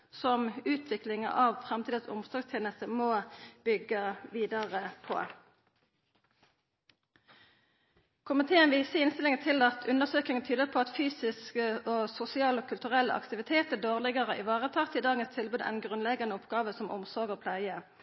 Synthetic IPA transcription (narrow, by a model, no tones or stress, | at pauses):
sɔmʉːt̪ʰʋɪklɪŋə̰ʔɑʋfʁɛmt̪ʰiːd̪əsʊ̰msɔɡst̪ʰjeːnəst̪əmoːb̥ʏɡːəʋiːd̪ɑʁəpʰɔ̰ | kʰʊmɪt̪ʰeːənʋiːsəɪnst̪ɪlɪŋənt̪ʰɪlɑt̪ʰʉnəʁsøːkɪŋənt̪ʰyːd̪əpʰoːɑt̪fyːsɪskəoːsʊsɪɑːloːkʰʉlt̪ʉʁɛlːəʔɑ̰kt̪ɪʋɪt̪ʰeːt̪əd̪oːʁlɪɡəʁəʔɪʋɑːʁət̪ʰɑːʁt̪ɪd̪ɑːɡənst̪ʰɪlbʉːd̪æ̰ɪnɡʁʉnlɛɡɑnəɔpɡɑːʋəsɔmɔ̰msɔʁɡəʁpʰlæɪə